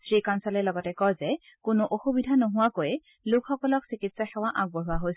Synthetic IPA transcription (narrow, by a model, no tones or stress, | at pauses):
sɹikansɔlɛlɔɡɔtɛkɔjzɛ | kʊnʊʔoxubidʱanoɦʊwakojɛ | lʊkxɔkɔlɔksikitsaxɛwaʔaɡ̚bɔɦʊaɦojs